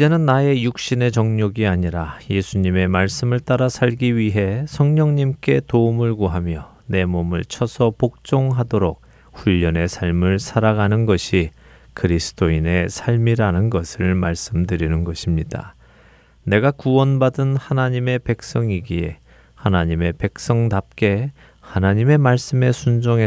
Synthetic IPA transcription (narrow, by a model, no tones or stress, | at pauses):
id͡ʑe̞nɯnːae̞juk̚ɕ͈ine̞t͡ɕʌŋɲoɡiaɲiɾaje̞sʰuɲime̞maɭs͈ɯmɯɭt͈aɾasʰaʎɡiɥiɦe̞sʰʌŋɲʌŋɲimk͈e̞toumɯɭɡuɦamjʌ | ne̞momɯ̰ɭt͡ɕʰʌsʰʌpok̚t͡ɕ͈oŋɦadoɾok̚ | ɸuʎːʌne̞sʰaɭmɯɭsʰaɾaɡanɯnɡʌɕʰi | kɯɾisʰɯ̥toine̞sʰaɭmiɾanɯnɡʌsʰɯɭmaɭs͈ɯmdɯɾinɯnɡʌɕʰimɲida̰ | ne̞ɡakuwʌnbadɯnhanaɲime̞pe̞k̚s͈ʌŋiɡie̞̰ | hanaɲime̞pe̞k̚s͈ʌŋdap̚k͈e̞ | hanaɲime̞maɭs͈ɯme̞sʰund͡ʑoŋe